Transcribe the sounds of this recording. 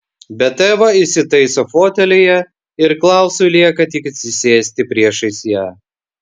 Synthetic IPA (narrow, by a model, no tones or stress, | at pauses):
bʲɛt̪ɛːʋɐɪsʲɪt̪ɐɪsofoːt̪ʲɛlʲejɛ | ɪɾklˠɑˑʊsʊlʲiɛkɐt̪ʲɪkɐt̪ʲsʲɪsʲeːsʲt̪ʲɪpʲɾʲiɛʃɐɪsʲjæː